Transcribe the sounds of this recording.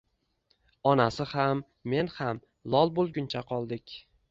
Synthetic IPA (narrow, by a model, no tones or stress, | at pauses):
ɒnasɪhamː | e̞nham | lˠɒlˠbolˠɡʲʊnt͡ʃʰaqʰɒlˠd̪ɪkʲ